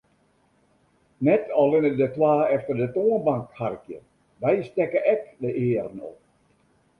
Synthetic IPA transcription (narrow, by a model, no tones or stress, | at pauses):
nɛtʰɔlɪnədətwaːɛftərdətoənbaŋkharkjə̰ | ʋɛjstɛkəʔɛkdəʔɪːərənɔ̰p̚